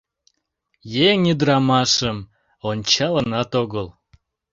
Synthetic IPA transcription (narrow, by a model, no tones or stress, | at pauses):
jeŋid̪əɾɑmɑʃəm | onʲt͡ɕɑlənɑt̪oɣəl